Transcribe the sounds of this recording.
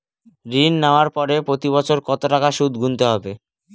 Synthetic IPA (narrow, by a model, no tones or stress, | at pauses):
ɾinːaoaɾpɔɾepɾot̪iβɔt͡ɕʰoɾkɔt̪oʈakaʃud̪ʱɡʱunt̪eɦɔbe